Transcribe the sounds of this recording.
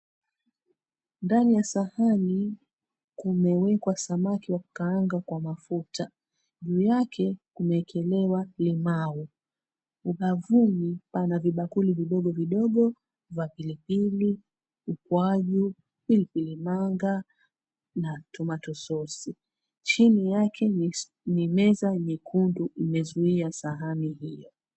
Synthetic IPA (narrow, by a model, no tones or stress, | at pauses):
ndanijasahani | kumɛwɛkwasamakiwaku̥kaːŋɡakwamafuta | ʄuːjakʰɛkumɛːkʰɛlɛwalimau | uɓavumipanaviɓakuliviɗɔɠɔviɗɔɠɔ | vapilipili | ukwaʄu | pilipilimaŋɡa | natumatɔsɔsi | t͡ʃinijakʰɛ | nimɛzaɲikʰunduʔimɛzuiasaɦanihijɔ